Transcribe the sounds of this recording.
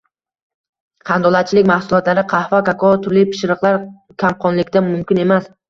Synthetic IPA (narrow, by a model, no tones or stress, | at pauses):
qʰɑnd̪ɒlˠat̪̚t͡ʃʰɪlɪkʲmahsʊlˠɒt̪laɾɪqʰɑhfakakʰɒt̪ʰʊɾlɪpʰɪ̥ʃɾɨqlˠaɾ | kʲʰamqʰɒnlɪkʲt̪amʊmkʲɪne̞mas